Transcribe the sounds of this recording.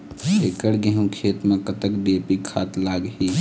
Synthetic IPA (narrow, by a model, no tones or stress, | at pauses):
ekəɽɡeɦũkʰet̪mẽkət̪əkɖepikʰːaːt̪laːɡɦi